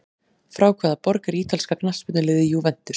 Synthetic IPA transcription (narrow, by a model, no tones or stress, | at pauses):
fɾaːwkʰvɛːðapɔɾkɛɾiːt̪alskaknal̥spʏt̪nɪlɪːðɪjuvɛn̥t̪ʏɾ̥